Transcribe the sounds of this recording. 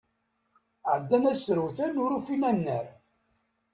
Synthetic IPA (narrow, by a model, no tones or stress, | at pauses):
ʕəd̪ːænæsɾəwθænʊɾufinænːəɾ